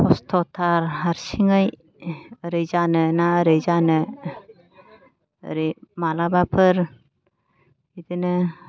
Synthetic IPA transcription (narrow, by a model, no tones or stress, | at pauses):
pʰɔstʰɔtʰaɾaɾsiŋɯj | əɾɯjzanɯnaəɾɯjzanɯ | ə̰ɾimalabapʰɯɾ | idɯnɯ